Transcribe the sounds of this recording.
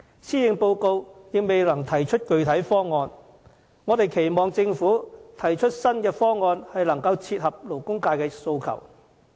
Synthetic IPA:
siː˥jɪ˨˧ŋpo˧wko˧wjɪ˨k̚me˨jlɐ˨˩ŋt̪ʰɐ˨˩jt͡ʃʰɵ˥t̚kɵ˨˧ɥt̪ʰɐ˨˥jfɔː˥ŋɔː˧n | ŋɔː˨˧t̪e˨jkʰe˨˩jmɔː˨ŋt͡sɪ˧ŋfuː˨˥t̪ʰɐ˨˩jt͡ʃʰɵ˥t̚sɐ˥nkɛː˧fɔː˥ŋɔː˧nhɐ˨jlɐ˨˩ŋkɐ˧wt͡sʰiː˧t̚hɐ˨p̚lo˨˩wkʊ˥ŋkaː˧jkɛː˧so˧wkʰɐ̰˨˩w

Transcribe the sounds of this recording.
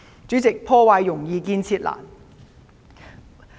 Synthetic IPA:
t͡sy˨˥t͡sɪ˨k̚pʰɔː˥waː˧jːʊ˨˩ŋjiː˨˧kiː˧nt͡sʰiː˧t̚la̰ː˨˩n

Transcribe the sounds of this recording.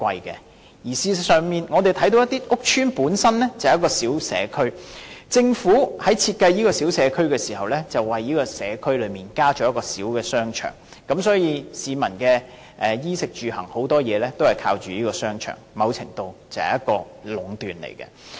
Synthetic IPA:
kʷɐ˧jkɛ̰˧ | jiː˨˩siː˧sœː˨ŋmiː˨nŋɔː˨˧t̪e˨jt̪ʰɐ˨˥jt̪o˧wjɐ˥t̪iː˥ʔʊ˥k̚t͡ʃʰyː˥npuː˨˥nsɐ˥nlɛ˥t͡sɐ˨hjkɔː˧siː˨˥wsɛ̰ː˨˧kʰɵ˥ɥt͡sɪ˧ŋfuː˨˥hɐ˨˥jt͡sʰiː˧t̚kɐ˧jjiː˥kɔː˧si˨˥wsɛː˨˧kʰɵ˥ɥkɛː˧siː˨˩hɐ˨wlɛː˥t͡sɐ˨wːɐ˨jjiː˥kɔː˧sɛː˨˧kʰɵ˥ɥlɵ˨˧ɥmiː˨nkaː˥t͡ʃɔː˨˥jɐ˥tkɔː˧si˨˥wkɛː˧sœː˥ŋt͡ʃʰœ̰ː˨˩ŋ | kɐ˨˥msɔː˨˥jiː˨˧siː˨˧mɐ˨˩nkɛː˧ | ʔɛː˨jiː˥sɪ˨k̚t͡ʃyː˨hɐ˨˩ŋho˨˥wt̪ɔː˥jɛː˨˧lɛː˥t̪o˥whɐ˨jkʰaː˧wt͡ʃyː˨jiː˥kɔː˧sœː˥ŋt͡ʃʰœ̰ː˨˩ŋmɐ˨˧wt͡sʰɪ̰˨˩ŋt̪o˧wt͡sɐ˨˩hɐ̰˨jɐ˥t̚kɔː˧ | lʊ˨˥ŋt̪yː˨nlḛ˨˩jkɛ̰˧

